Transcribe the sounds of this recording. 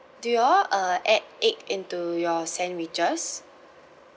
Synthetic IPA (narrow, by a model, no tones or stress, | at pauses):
dujɔə̃ɛd̚ekĩntujɔsɛ̃nwit͡ʃəs